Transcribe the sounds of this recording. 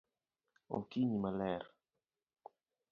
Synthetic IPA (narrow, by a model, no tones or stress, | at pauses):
o̰kiɲimalɛɾ